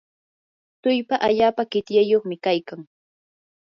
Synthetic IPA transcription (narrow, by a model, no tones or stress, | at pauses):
t̪ʊjpaʔaʎaːpakɪt̪jajoχmɪkajkaŋ